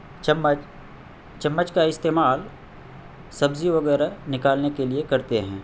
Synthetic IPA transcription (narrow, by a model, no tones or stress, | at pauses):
t͡ʃɐmːət͡ʃkaɪst̪eːmaːl | sɐbziʋɐɡɛːɾanɪkaːlnekeliekɐɾt̪eɦɛ̃ː